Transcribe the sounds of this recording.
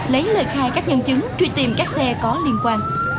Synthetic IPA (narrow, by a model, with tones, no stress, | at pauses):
lə˨˦jlə̰ː˧˨jxaː˧jkaː˦˥k̚ɲə˧nt͡ɕɨ˨˦ŋt͡ɕwi˧t̪ḭ˨˩mkaː˦˥k̚sɛ˧kɔ˨˦li˧ənkwaː˧n